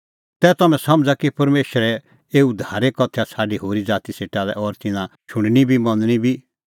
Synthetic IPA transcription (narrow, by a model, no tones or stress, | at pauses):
t̪ɛt̪ɐmɛ̃sɐmd͡zakipɐɾmeːʃəɾɛ | eːud̪ʱaːɾekɔt̪ʰjasʰaːɖiɦoːɾid͡zaːt̪iseːʈalɛʔɔːɾt̪ɪnãt͡ʃʰʊ̃ɳ̃nibʱimɐ̃nd̪nibʱi